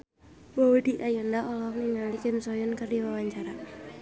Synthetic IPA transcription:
bawod̥i̤ʔajɔndaʔɔlɔkniŋalikɪmsɔjɔnkərdiwawaɲt͡ʃaɾa

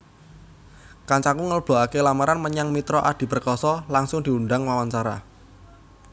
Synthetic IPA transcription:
kaɲt͡ʃakuŋələb̥o̤akelamaɾanməɲaŋmit̪ɾɔʔad̪̥i̤bərkɔsɔlaŋsʊŋd̪̥i̤uɳɖaŋwawaɲt͡ʃaɾa̰

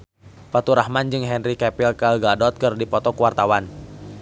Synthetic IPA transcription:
pat̪uɾahmand͡ʒɨŋɦɛnrikɛpilkalɡadɔt̪̚kɨrdipɔt̪ɔkuwart̪awan

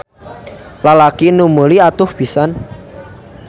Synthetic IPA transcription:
lalakinuməliat̪ʊhb̥isan

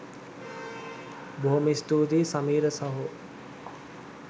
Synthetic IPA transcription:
boɦomist̪uːd̪isamiːɾəsɐɦu

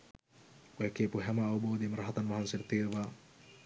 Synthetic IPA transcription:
oɛkeːpuɦæməːʋɐboːd̪ejmɾɐɦat̪anʋɐɦansenɐt̪iːɾuʋaː

